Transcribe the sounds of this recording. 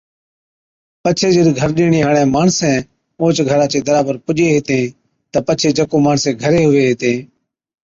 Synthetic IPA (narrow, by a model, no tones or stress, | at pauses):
pət͡ʃʰeːd͡ʒəɗ̪ɡʱəɾɗiːɳiːɦəːɳɛ̃ːmaːɳsɛ̃ː | õːt͡ʃɡʱəɾaːt͡ʃeːd̪əɾaːbəɾpʊʄeːɦɪːt̪ẽː | t̪əpət͡ʃʰeːd͡ʒəkõːmaːɳsɛ̃ːɡʱəɾeːɦʊʋeːɦɪːt̪ẽː